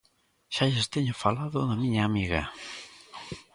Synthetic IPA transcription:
ʃaʎest̪eɲʊfalaðʊðɐmiɲaːmiɣɐ̰

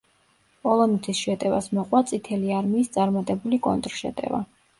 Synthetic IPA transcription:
pʼɔlˠɔnut̪ʰisʃɛt̪ʼɛva̰smɔqʼwat̪sʼit̪ʰɛliaɾmiːst̪sʼaɾmat̪ʼɛbulikʼɔ̰nt̪ʼɾʃɛ̰t̪ʼɛ̰va̰

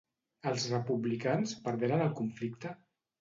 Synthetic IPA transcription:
əlˠzrəpuβlikanspəɾðeɾənəlˠkuɱflik̚t̪ə

